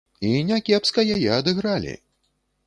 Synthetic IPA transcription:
inʲakʲɛpskɐjajɛɐd̪ɨɣɾalʲḭ

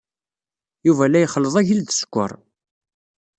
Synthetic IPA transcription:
juvælːæjχəlːəðˤæʝilðə̥skʷːə̰ɾˤ

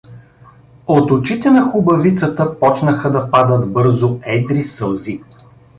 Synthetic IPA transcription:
ot̪ʊt͡ʃit̪ɛnɐxʊbɐvit̪sət̪əpɔt͡ʃnəxəd̪ɐpad̪ət̪bɤɾzoɛd̪ɾisəlˠzi

